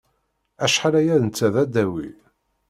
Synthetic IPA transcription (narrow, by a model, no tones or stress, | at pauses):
æʃħalæjæðnt͡sːæðæd̪æwḭ